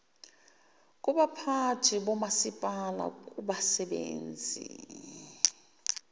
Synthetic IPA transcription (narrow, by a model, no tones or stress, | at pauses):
kʼuɓapʰatʰiɓɔmasipʼala̰kʼuɓasɛɓḛːnd͡zʱḭ